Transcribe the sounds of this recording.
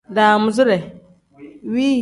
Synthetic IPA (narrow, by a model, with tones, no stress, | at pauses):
daː˨mʊ˨zʊ˦ɾɛ˨ | wiː˦